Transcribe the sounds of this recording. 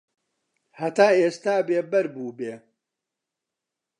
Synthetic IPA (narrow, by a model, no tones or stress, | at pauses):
hɐt̪aːeːst̪aːbeːbɐɾbuːbeː